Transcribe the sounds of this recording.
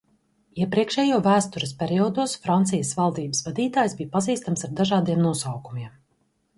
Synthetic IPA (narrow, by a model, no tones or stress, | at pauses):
iɛpɾiɛkʃɛːjuːvæːst̪uɾəspʲɛɾiɔːd̪oɔsfɾant̪sijəsvalˠd̪iːbəsvad̪iːt̪aːjzbijpaziːst̪amsaɾd̪aʒaːd̪ijɛmnuɔsawkumiɛm